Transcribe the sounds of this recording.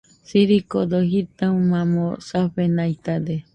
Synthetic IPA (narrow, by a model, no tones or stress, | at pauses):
siɾikod̪oɦit̪aũmãmõsaɸenajt̪ad̪e